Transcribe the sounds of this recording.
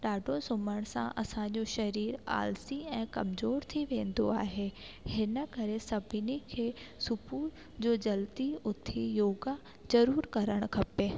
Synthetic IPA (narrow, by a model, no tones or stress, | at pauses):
ɖaːɖʱosʊməɽ̃sã̰ʔɐsã̆d͡ʑoʃɐɾiːɾa̰ːlsiɛ̃ːkɐmzoːɾt̪ʰiʋẽːn̆d̪o̰aːɦehɪnə̆kɐɾesɐbʱɪnikʰeːsʊpu | d͡ʑoːd͡ʑɐlt̪iʊt̪ʰːijoːɡa | d͡ʑɐɾuːɾkɐɾəɽ̃kʰɐpe